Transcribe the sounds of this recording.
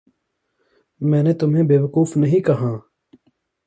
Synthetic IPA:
mɛ̃ːneːt̪ʊmɦẽːbeːʋəkuːfnɐɦĩːkɐɦãː

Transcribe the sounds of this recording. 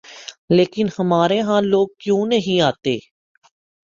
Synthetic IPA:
leːkɪnhəmaːɾeːɦãːloːɡ̚kjõːnəɦĩaːt̪eː

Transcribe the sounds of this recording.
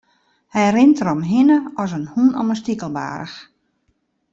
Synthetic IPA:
hɛjrɪntəɾɔmɦɪnəɔs̬ənhunɔ̰mənstikəlˠba̰ːɾə̰x

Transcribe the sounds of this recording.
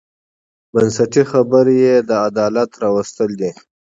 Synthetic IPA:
bənsaʈixabəɾjed̪əad̪ɑːlat̪ɾɑwəst̪əld̪i

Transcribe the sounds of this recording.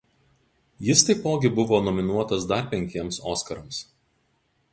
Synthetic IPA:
jɪst̪ɐɪpoːɡʲɪbʊʋoːnɔmʲɪnuɔt̪ɐsd̪ɐɾpʲɛŋʲkʲiɛmsoːskɐɾɐms

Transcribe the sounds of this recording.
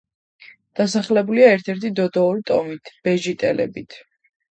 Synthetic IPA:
d̪̥asaχlɛbuliaɛɾt̪ʰɛɾt̪ʰid̪ɔd̪ɔuɾit̪ʼɔmit̪ʰb̥ɛʒit̪ʼɛlɛ̰bit̪ʰ

